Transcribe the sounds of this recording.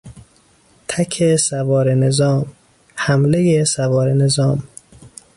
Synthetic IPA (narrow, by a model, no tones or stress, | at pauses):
t̪ʰækʰesævɒːɾenezɒːm | hæmlejesævɒːɾenezɒːm